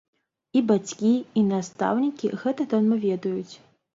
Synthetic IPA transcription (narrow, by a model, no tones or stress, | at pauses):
ibat͡sʲkʲiːnast̪a̰wnʲikʲiɣɛt̪ɐd̪ɔnmɐvʲɛd̪ɐjut͡sʲ